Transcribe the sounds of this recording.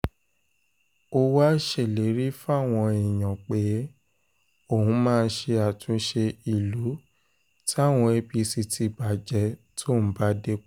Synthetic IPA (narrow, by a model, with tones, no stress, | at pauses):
o˧wa˦ʃe˦˨le˨˦ɾi˦fa˦˨w̃ɔ̃˧i˨j̃ã˨k͡pe˨˦ | o˦˨hũ˨˦mãː˦˧n̩˧˦ʃe˧a˨tʰũ˨˦ʃe˧i˨lu˨˦ | ti˦a˦˨w̃ɔ̃˧e˧bi˧si˧tʰi˧ba˨d͡ʒɛ˨˧˦tʰo˦˨ñ̩˨˦ba˦de˦